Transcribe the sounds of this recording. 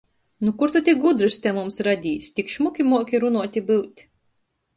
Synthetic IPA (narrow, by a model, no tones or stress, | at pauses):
nukuɾt̪ut̪ʲiɡud̪ɾɨst̪ʲɛmumsɾad̪ʲiːsʲt̪ʲikʃmukʲimuɔkʲiɾunuɔt̪ʲibɨwt̪ʲ